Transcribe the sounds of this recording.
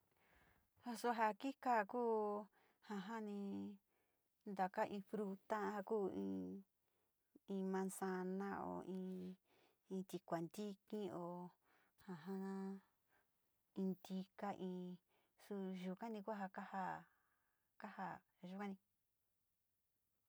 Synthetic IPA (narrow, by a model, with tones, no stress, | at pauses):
ho˧su˧ɦa˧ki˦ka˦˨kuː˦ | hã˧˨ɦã˦nĩ˧ | nd̪a˨ka˦ʔĩ˧fɾu˧t̪a˦˧ha˧kuː˦ĩ˧ | ĩ˧mã˧nsa˧nã˦o̰˧˨ʔĩː˧ | ĩ˧t̪i˧kʷa˨nd̪i˦kĩ˦o˧˨ | hã˨ɦã˦ | ĩ˧nd̪i˧ka˧ʔĩː˧ | su˧ʒu˨ka˦nĩ˧ku˦a˦˧ɦa˧ka˦ha˧ | ka˦ha˧ | ʒu˧kʷã˦nĩ˧